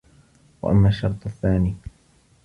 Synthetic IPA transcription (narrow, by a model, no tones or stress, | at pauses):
wa̰ʔa̰mːaːʃːɑɾˤt̪ˤaθːaːniː